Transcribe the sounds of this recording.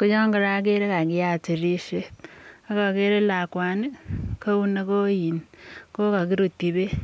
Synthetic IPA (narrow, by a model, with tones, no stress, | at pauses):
kʊ˦t͡ʃɔ˦ŋɡɪ˦ɾa˨˦ke˦ɾe˦ka˨kɪ˦ja˨ti˨ɾi˦ʃe˦a˦ka˨ke˦ɾe˦la˨kwa˨ni˦ko˦u˦ne˦ko˦ji˨nko˦ka˨k̬i˦ɾu˨ti˨be˦